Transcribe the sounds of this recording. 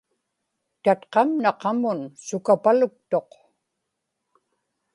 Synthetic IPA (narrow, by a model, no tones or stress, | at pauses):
t̪at̪qɑmnɑqɑmʊnsʊkapalʊk̚t̪o̞q